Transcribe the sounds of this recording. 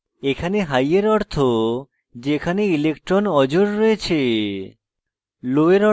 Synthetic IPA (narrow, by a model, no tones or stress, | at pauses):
ekʰaneɦajeɾɔɾt̪ʰo | d͡ʑekʰaneilekʈɾonɔd͡ʑoɾːoet͡ɕʰe | loeɾɔ